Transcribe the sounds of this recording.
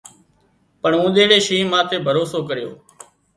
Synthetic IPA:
pəɳũːɗ̪ẽːɽeːʃiːmãːt̪eːbʱəɾoːsoːkəɾɪjo̰ː

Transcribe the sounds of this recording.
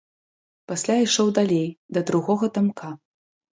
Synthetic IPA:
pasʲlʲajʂɔwd̪alʲejd̪ɐd̪ɾuɣɔɣɐt̪amkʰa

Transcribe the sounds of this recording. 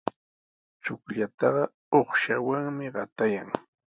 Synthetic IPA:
t͡ʃʊkʎat̪ɑɢɑ | oχʃawaŋmɪɢɑt̪ajaŋ

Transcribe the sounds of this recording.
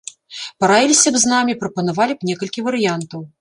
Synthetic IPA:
pɐɾavʲilʲisʲɐbznamʲipɾɐpɐnavalʲipnʲɛkɐlʲkʲivɐɾɨjant̪ɐw

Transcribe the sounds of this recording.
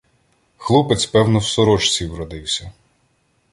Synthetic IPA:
xlˠupet͡s̪ʲpɛwnɔwsɔɾɔt͡ʃt͡sʲiwɾɔd̪ɪwsʲɐ

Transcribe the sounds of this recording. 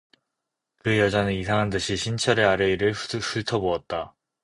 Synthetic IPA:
kɯjʌd͡ʑanɯnisʰaŋɦandɯɕʰiɕʰint͡ɕʰʌɾe̞aɾeiɾɯɭsuɭtʰʌboʌt̚t͈a

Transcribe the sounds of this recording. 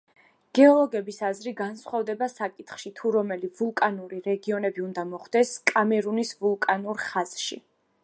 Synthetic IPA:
ɡ̥ɛɔlˠɔɡɛbisazɾiɡansχwavd̪ɛbasakʼit̪ʰχʃit̪ʰuɾɔmɛlivulˠkʼanuɾiɾɛɡiɔnɛbiund̪amɔχd̪ɛskʼamɛɾunisvulˠkʼanuɾχaz̥ʃḭ

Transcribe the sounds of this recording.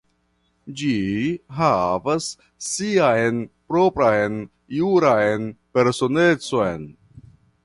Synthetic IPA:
d͡ʒiɦavasː | iajnpɾopɾajn | juɾajnpe̞ɾsone̞t͡so̞jn

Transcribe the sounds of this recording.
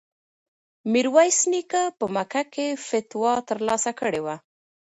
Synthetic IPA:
miɾwajsnikapəmakakefɪt̪wɑt̪əɾlɑsakəɽewa

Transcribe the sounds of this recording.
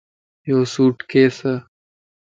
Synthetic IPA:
joːsuːʈkeːsɐ

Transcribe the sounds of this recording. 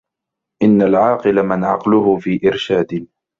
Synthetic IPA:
ʔɪnːalʕɑːqɨlamɪnʕɑqlʊɦʊfiːʔɪɾʃaːd̪ɪ

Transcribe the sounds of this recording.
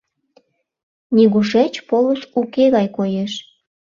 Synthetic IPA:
nʲiɣuʃet͡ɕpolusukeɣɑjkojeʃ

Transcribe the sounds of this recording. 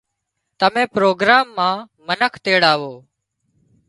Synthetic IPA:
t̪əmẽːpɾoːɡɾaːmːãː | mənəkʰt̪eːɽaːʋoː

